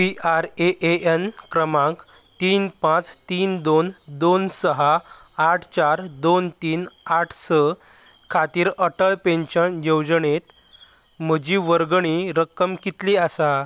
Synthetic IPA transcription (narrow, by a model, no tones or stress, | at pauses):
piʔaɾeʔeʔenkɾəmãŋk | t̪iːnpãt͡st̪iːnd̪ond̪onsəɦaː | ʈʰt͡ɕaɾd̪ont̪iːnaʈʰsə | kʰat̪iːɾəʈəɭpẽɲɕənjowd͡zɳet̪ | m̤əd͡ʑiːʋəɾɡɳiːɾəkːəmkit̪liːasa